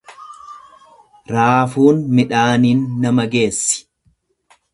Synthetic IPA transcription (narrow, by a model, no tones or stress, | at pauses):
ɾaːfuːnmɪᶑaːniːnːɐmɐɡe̞ːsːɪ̥